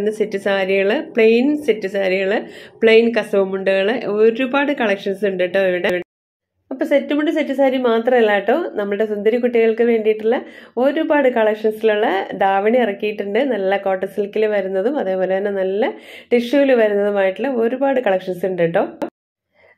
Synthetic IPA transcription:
nːɐsetːusaːɾiɣɐɭɨpɭejnsetːusaːɾiɣɐɭɨpɭejnkɐsɐʋumuɳɖɨɣɐɭɨoːɾɾubaːɽɨkɐɭɐkʂɐnsɨuɳɖiʈːoːiʋiɽeʋiɽe | ɐpːoːsetːumuɳɖɨsetːusaːɾimaːt̪rɐmilːaːjiʈːo̞ːnɐmːɐɭɨɽe̞sund̪ɐɾikːuʈːiɣɐɭkɨʋe̞ːɳɖijiʈːilːɐo̞ːɾubaːɽɨkɐɭɐkʂɐnsiluɭːɐd̪aːʋɐɳiirɐkːijiʈːuɳɖɨnɐlːɐko̞ːʈːɐsilkːilɨʋɐɾunːɐðumɐðe̞ːpo̞ːle̞t̪ːɐnːɐnɐlːɐʈiʂuʋilʋɐɾunːɐðumaːjiʈːilːɐo̞ːɾubaːɽɨkɐɭɐkʂɐnsɨuɳɖejʈːo̞ː

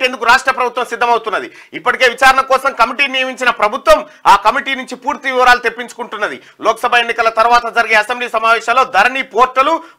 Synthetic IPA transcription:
end̪ukuɾaːʂʈɾɐpɾɐbʱut̪ʋɐmsid̪ʱːɐmɐwut̪unːɐd̪ḭ | ipːɐʈike̞ːʋit͡ʃaːɾɐɳɐkɔːsɐmkɐmiʈiːniːɐʋiɲt͡ʃinɐpɾɐbʱut̪ʋɐm | aːkɐmiʈiːnuɲt͡ʃipuːɾt̪iʋiʋɐɾaːlut̪e̞pːiɲt͡ʃu̥kuɳʈunːɐd̪ḭ | lɔːkɐsɐbʱɐe̞nːikɐlɐt̪ɐɾuʋaːt̪ɐd͡ʒɐɾiɡeːɐsembliːsɐmaːʋɛːʃɐːlo̞ːd̪ɐɾɐnipoːɾʈːɐlu

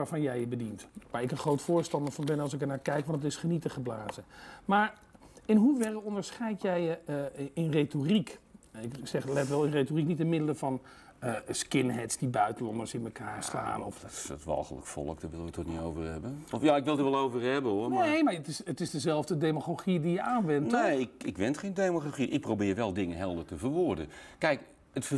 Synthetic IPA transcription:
aːɹvɑnjɛjəbədintʋaːɹɪkə̃nχrowtfʊːɹstɑndəɹvɑnbɛnɑlˠsɪkəɹnaːɹkɛjkʋɑntətɪsχənitəχəblaːzəmaːɹ | ɪnɦuvɛrəɔndəɹsχɛjtjɛjəɪnretorikɪksɛχlɛtʋɛlˠɪnretoriknitɪnmɪdələvɑn | skɪnɦɛtsd̥ibœɥtəlɔndəɹsɪnməkaːɹsta̰ːnɔ̰ftʋɑ̰lˠχələ̰kfɔ̰lˠəkdəʋɪlˠəʋətɔtnitowvəɹɦɛbəɔfjaɪkʋɪlˠdəʋɛlˠowvəɹɦɛbənonejmaɹətɪsətɪsdəzɛlˠvdədejmaχoχidijəʔaːnʋɛnteɪkɪkʋɛntχejndejmoχaχiʔɪk̚prowbɪːɹʋɛlˠdɪŋənɦɛlˠdəɹtəvəɹʋʊɹdə̰kɛjk | ətfə

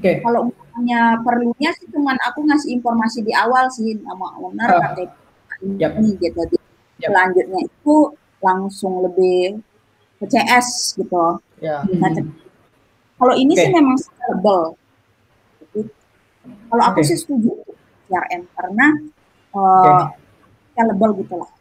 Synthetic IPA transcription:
kaloŋamaɲapərluɲasɪht͡ʃumanakuŋasɪinformasidiawalsɪnama̰ənərat̪ek | ainniɡɛt̪̚d͡ʒadi | əlaɲd͡ʒʊt̪̚ɲait̪u | laŋsʊŋləbɪh | kət͡ʃeʔɛsɡ̥it̪u | kat͡ʃə | kaloinisɪhmemaŋsləbəl | d͡ʒat̪i | kaloakusɪhsə̥t̪ud͡ʒut̪ʊ | siarʔɛmpərnah | ə | taləbəlɡit̪ula̰h

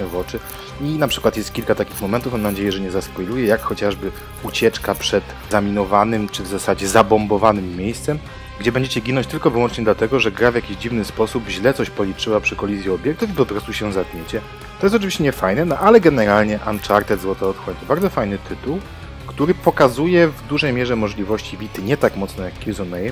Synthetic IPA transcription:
ɛvɔt͡ʂɘ | inapʂɘ̥kwat̪jɛst̪̚kʲilkat̪akʲixmɔmɛnt̪ufmamnad͡ʑejɛʐɛɲɛzaspɔjlujɛjakxɔt͡ɕaʐbɘ | ut͡ɕɛt͡ʂkapʂɛt̪ | zamʲinɔvanɘmt͡ʂɘvzasad͡ʑɛzabɔmbɔvanɘmːjejst̪sɛm | ɡd͡ʑɛbɛɲd͡ʑet͡ɕɛɡʲinɔ̃ɲt͡ɕt̪ɘlkɔvɘwɔnt͡ʂɲɛd̪lat̪ɛɡɔʐɛɡɾavʲjakʲiʑd͡ʑivnɘspɔsubʑlɛt̪ɔɕpɔlʲit͡ʂɘwapʂɘkɔlʲizʲjiɔbʲjɛk̚t̪ufipɔpɾɔst̪uɕɛzad̪̚ɲet͡ɕɛ | t̪ɔjɛst̪ɔt͡ʂɨvʲiɕt͡ɕɛɲɛfajnɛnɔʔalɛɡɛnɛɾalɲɛʔant͡ʂaɾt̪ɛt̪zwɔt̪aɔt̪xwɔɲt̪ɔbaɾd̪zɔfajnɘt̪ʰɘt̪uw | kt̪uɾɘpɔkazujɛvd̪uʐɛjmʲjɛʐɛmɔʐlʲivɔɕt͡ɕivʲit̪ɘɲɛt̪akmɔt̪snɔjakːkʲiuzɔnɛj

